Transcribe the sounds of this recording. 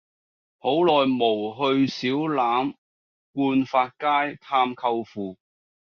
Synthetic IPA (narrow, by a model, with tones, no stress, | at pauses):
ho˨˥wlɔː˨jmo˨˩wɦɵ˧ɥsiː˨˥wlaː˨˥m | kuː˧nfaː˧t̚kaː˥jt̪ʰaː˧mkʰɐ˧wfuː˨